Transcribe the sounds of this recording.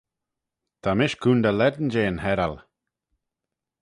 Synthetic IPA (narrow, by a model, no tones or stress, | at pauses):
t̪ʰamɪʃkʰuːnd̪əlɛd̪nd͡ʒeːənhɛɾal